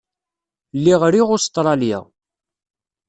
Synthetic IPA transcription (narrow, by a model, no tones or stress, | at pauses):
lːiʁɾiʁʊst̪ˤɾˤɑljæ̰